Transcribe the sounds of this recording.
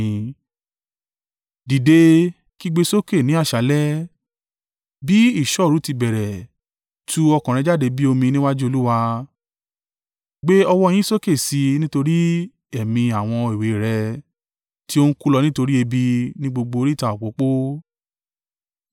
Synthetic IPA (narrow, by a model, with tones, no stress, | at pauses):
di˨de˧ | ki˦ɡ͡be˧so˦ke˦˨nĩ˨˦a˦˨ʃa˨˦lɛ˦ | bi˦i˦˨ʃɔ˦˨ɾu˨˦ti˧bɛ˨ɾɛ˨ | tʰu˦ɔ˧kɔ̃˨ɾɛ̃˨˧d͡ʒa˦˨de˧bi˦o˧mĩ˧nĩ˦wa˦d͡ʒu˦o˧lu˦wa˧ | ɡ͡be˦ɔ˧wɔ˧˦˧j̃ĩ˦so˦ke˦˨si˨˧nĩ˦to˧ɾi˦ | ɛ˨mĩ˧a˨w̃ɔ̃˧e˨we˨ɾɛ˧ | ti˦o˦n̩˦ku˦lɔ˧nĩ˦to˧ɾi˦e˧bi˧nĩ˦ɡ͡bo˧ɡ͡bo˧o˧ɾi˦˨ta˨ɔ˨k͡po˨˦k͡po˦